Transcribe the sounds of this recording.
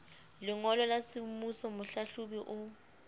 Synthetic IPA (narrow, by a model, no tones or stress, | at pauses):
lɪŋɔlɔlasɪmusɔmʊɬaɬubiʔʊ